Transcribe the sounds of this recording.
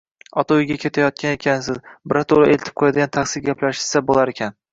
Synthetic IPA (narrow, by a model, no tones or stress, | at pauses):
ɒt̪ʰaʊjɡʲakʲʰe̞t̪ʰajɒt̪̚kʲanekʲʰansɪzbɪɾat̪ʰolaʔelt̪ʰɪp̚qʰojad̪ɪɡʲant̪ʰaχsɪlɡʲapʰlaʃɪ̥sabolˠaɾekʲʰan